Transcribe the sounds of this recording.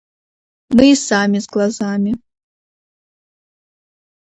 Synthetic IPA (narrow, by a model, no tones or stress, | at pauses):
mɨisaːmʲizɡlˠɐzaːmʲɪ